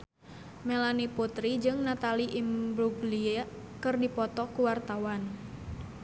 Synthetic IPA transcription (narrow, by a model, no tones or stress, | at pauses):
melaniput̪ɾid͡ʒɨŋnat̪aliʔimbɾuɡlia | kɨrdipɔt̪ɔkuwart̪awan